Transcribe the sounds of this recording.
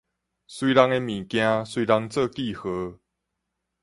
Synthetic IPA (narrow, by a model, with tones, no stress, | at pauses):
swi˦ɾa˦ŋe˦mĩ˨˩kja˦swi˦ɾa˦ŋt͡sɤ˥˧˨ki˥˨xɤ˨˦